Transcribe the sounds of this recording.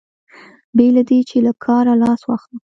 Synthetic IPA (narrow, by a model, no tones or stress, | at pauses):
belad̪et͡ʃelakʰɑɾalɑswɑxə